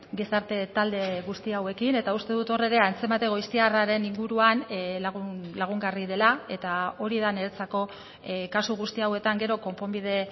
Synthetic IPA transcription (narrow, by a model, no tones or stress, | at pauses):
ɡisaɾt̪e̞t̪ald̪e̞ɣust̪iawe̞kine̞t̪aust̪e̞ðut̪o̞re̞ɾe̞ant͡se̞mat̪e̞ɣoist̪iaraɾe̞niŋɡuɾuan | laɣ̞uŋɡarið̞e̞lae̞t̪ao̞ɾiðane̞ɾt͡sako̞ | kasuɣ̞ust̪iawe̞t̪aŋɡe̞ɾo̞ko̞mpo̞mbið̞e̞